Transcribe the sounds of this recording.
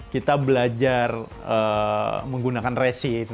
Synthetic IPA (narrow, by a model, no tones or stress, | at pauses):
kit̪abəlad͡ʒar | əməŋɡunakanresin